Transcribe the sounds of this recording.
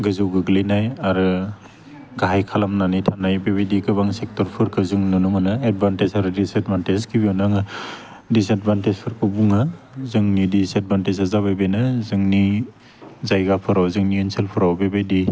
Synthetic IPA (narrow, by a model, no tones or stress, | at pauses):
ɡɯzɯwɡɯɡlinajaɾɯ | ɡaɦajkʰalamnanitʰanajbebajdiɡɯbaŋsek̚tɔɾpʰɯɾkʰɯzɯŋnɯnɯmɯnɯed̚bantezaɾɯdiset̚bantezkʰibiɔnaŋɯ | diset̚bʱantezpʰɯɾkʰɯbuŋa | zɯŋnidised̚bantezazaβajbenɯzɯŋni | zajɡapʰɯɾawzɯŋniɯnselpʰɯɾawbebajdi